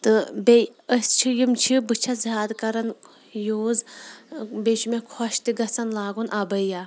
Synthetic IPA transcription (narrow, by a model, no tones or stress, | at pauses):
t̪ɨbejəsʲt͡ʃʰijimt͡ʃʰibɨt͡ʃʰɐzaːd̪kɐɾɐn | joːz | bet͡ʃʰumekʰɔʃt̪iɡɐsɐnlaːɡunʔabɐjaː